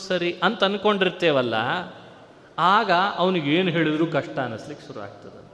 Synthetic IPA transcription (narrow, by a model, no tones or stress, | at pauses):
sɐɾiʔɐnt̪ɐn̚ko̞ɳɖiɾt̪ːeːʋɐlːɐ̰ | aːɡɐɐʋɐniɡeːnuɦe̞ːɭid̪ɾuːkɐʂʈɐːnɐslikːeʃuɾuʋa̰ːɡ̚t̪ɐd̪e